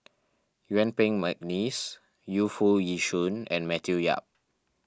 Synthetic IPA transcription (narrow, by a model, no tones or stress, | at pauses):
jɛ̃npɛ̃ŋmak̚nis | jufujiʃũnɛ̰̃nmɛtʰuja̰p̚